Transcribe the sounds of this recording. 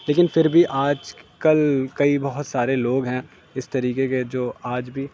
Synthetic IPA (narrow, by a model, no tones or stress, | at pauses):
leːkɪnfɪɾbʱiʔaːd͡ʒkɐlkɐibɐɦʊt̪saːɾeloːɡɦɛ̃ː | ɪst̪ɐɾiːkeked͡ʒoːaːd͡ʒbʱi